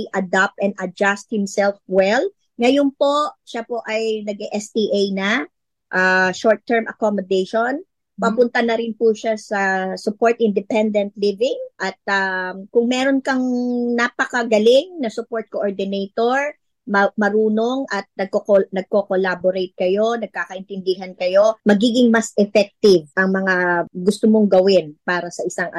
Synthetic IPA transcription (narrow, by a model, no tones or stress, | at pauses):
ʔɐd̪ap̚t̪ɛnd̪ɐd͡ʒast̪̚hɪmsɛlfwɛl | ŋɐjonpo̞ʃapo̞ʔɐjnɐɡɛʔɛst̪iʔejnɐ | ʔaʃoɹt̪ːɛɹmʔɐkomod̪ɛjʃon | pɐpʊnt̪ɐnɐɾɪnpuʃasɐsʊpoɹt̪ʔɪnd̪ɪpɛnd̪ɛnt̪̚livɪŋʔɐt̪̚akʊŋmɛːɾonkɐŋnapɐkɐɡɐlɪŋnɐsʊpoɹt̪̚koʔoɹd̪ɪnejt̪oɹ | mɐmɐɾuːnoŋʔɐt̪̚nɐɡ̚kokonɐɡ̚kokolaboɾejt̪̚kɐjo̞nɐɡ̚kaːkɐʔɪnt̪ɪnd̪ɪɦɐnkɐjo̞mɐɡiːɡɪŋmɐsʔɛfɛk̚t̪ɪvʔɐŋmɐŋaɡʊst̪omoŋɡɐwɪnpaːɾɐsɐʔɪsaŋʔɐ